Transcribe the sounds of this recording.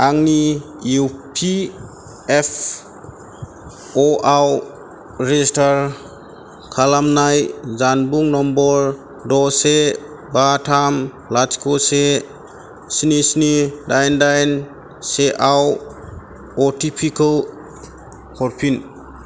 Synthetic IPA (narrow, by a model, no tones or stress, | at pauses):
aŋni | upʰi | epʰ | ɔʔaw | ɾezistaɾ | kʰalamnajzanbuŋnɔmbɔɾ | dɔse | batʰam | lat͡ʃkʰose | sinisnidajndajn | seʔaw | ɔtʰipʰikal | hʰɔɾpʰin